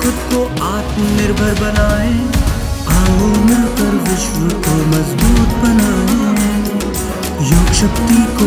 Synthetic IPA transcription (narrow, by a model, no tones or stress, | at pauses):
xʊd̪ko | aːt̪mnɪɾbʱəɾbʱɐnaːɦẽː | aːɦoːnɪɾbʱɐɾʋɪʃwəkoːmɐzbuːt̪bɐnaːɦeẽː | joːkʃəkt̪iko